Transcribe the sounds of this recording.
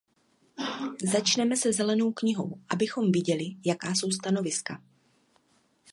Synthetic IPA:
zat͡ʃnɛmɛsɛzɛlɛno̞wkɲɪɦo̞̰wʔabɪxo̞mvɪɟɛlɪjakaːso̞wst̪ano̞vɪska

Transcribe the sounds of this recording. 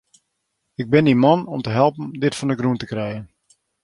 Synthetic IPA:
ɪɡ̚bɪndimɔnɔmtəɦɛlˠpəndɪtfɔndəɡruntəkrɛjən

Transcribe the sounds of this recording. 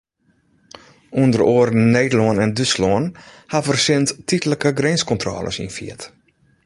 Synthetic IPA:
undəroərn̩ːeːdəlɔənɛndyslɔən | hafərsɪnttitələkəɡrenskɔntrɔ̰ːlʔə̰sḭnfḭət

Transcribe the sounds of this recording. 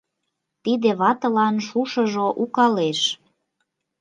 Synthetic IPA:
t̪id̪eβɑt̪ə̆lɑnʃuʃəʒoʔukɑleʃ

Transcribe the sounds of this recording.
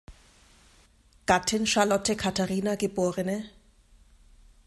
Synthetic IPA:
katʰɪnʃalɔtʰɛkʰatʰarinakɪpʊːrɛnɛ

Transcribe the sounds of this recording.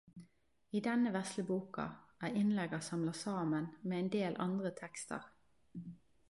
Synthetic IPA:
iːd̪ɛnəʋɛsləbuːkɑ̰ʔæːɪnlɛɡəʁsɑmlɑsɑːmənmeːɛːnd̪eːlʔɑ̰nd̪ʁət̪ʰɛkst̪ʰə̰ʁ

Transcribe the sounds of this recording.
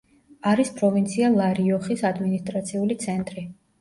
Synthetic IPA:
aɾispʼɾɔvint̪sʰialˠaɾiɔχisad̪minist̪ʼɾat̪sʰiulit̪sʰɛnt̪ʼɾi

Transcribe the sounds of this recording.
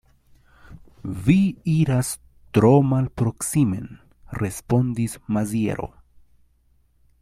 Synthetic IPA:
viiɾas | tɾo̞malpɾo̞ksime̞̰n | re̞spo̞ndismaziḛɾo̞̰

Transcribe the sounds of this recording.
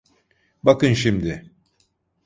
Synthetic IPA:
bakɯnʃimd̪ɪ

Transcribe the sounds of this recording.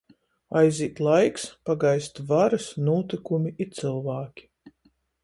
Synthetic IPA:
ajziːt̪lˠajkspaɡajst̪vaɾɨsnuːt̪ikumiit̪sɨlˠvaːkʲi̥

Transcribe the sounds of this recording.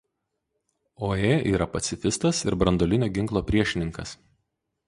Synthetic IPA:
oːeːʔiːɾɐpɐt̪sʲɪfʲɪst̪ɐsɪɾbɾɐnd̪oːlʲɪnʲoːɡʲɪŋklˠoːpʲɾʲiɛʃʲɪnʲɪŋkɐs

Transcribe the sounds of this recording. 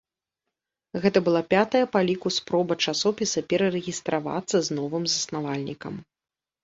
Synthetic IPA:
ɣɛt̪ɐbɨlˠapʲat̪ɐjɐpalʲikuspɾɔbɐt͡ʂasɔpʲisɐpʲɛɾɐɾɛɣʲist̪ɾava̰t̪sːɐznɔvɨmzɐsnavalʲnʲikɐ̰m

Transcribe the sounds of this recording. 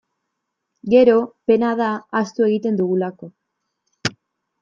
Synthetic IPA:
ɡe̞ɾo̞pe̞nað̞aːst̪ue̞ɣit̪e̞nd̪uɣulako̞

